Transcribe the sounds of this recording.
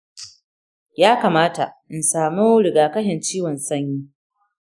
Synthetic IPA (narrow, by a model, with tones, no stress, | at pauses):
jaː˦kaː˨maː˦ta̰˨ʔɪ˨nsaː˨mu˦ɽɪ˨ɡaː˨kɐ˦ɦɛ˨nt͡ʃiː˦wɔ˨nsɐ˦ɲjiː˦